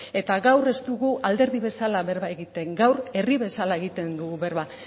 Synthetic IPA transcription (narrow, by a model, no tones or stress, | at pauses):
e̞t̪aɣawre̞st̪uɣuʔald̪e̞ɾðiβe̞salaβe̞ɾβae̞ɣit̪e̞ŋɡawɾe̞riβe̞salae̞ɣ̞it̪e̞nd̪uɣuβe̞ɾβa